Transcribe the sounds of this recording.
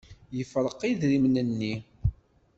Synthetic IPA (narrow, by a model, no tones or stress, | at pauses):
jəfɾˤəqːiðɾimnənːi